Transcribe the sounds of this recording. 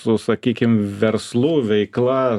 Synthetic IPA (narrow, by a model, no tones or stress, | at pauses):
sʊsɐkʲiːkʲɪmʋʲɛɾslˠuːʋʲɛɪklˠɐ